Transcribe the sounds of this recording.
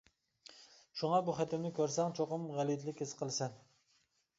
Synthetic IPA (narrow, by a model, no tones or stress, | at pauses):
ʃuŋɑbuχæt̪ɪmnɪkʲøɾsɛŋt͡ʃʰoqʊmʁælit̪lɪkʲhesɨ̥qʰəlˠɨsɛn